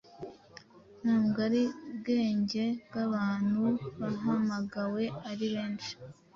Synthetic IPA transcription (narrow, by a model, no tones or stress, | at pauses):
n̥aːmɡaɾibɡe̞ːɲɟe̞ɡaβaːn̥huβaɦamaɡawe̞aɾiβe̞ːnt͡ʃi̥